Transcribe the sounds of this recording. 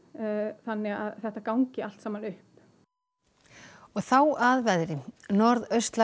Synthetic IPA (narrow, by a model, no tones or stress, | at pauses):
θanːɪɣaðθɛht̪akawŋcɪal̥t̪saːmanʏhp | ɔɣθawaðvɛðɾɪnɔɾðœɥst̪la